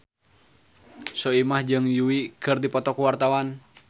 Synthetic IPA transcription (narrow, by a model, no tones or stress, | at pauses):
sɔimahd͡ʒɨŋjuwikɨrdipɔt̪ɔkuwart̪awan